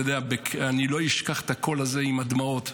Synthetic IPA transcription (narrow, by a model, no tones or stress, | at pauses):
od̪eabeanilo̞iʃkaχet̪ako̞lazeimad̪mao̞t̪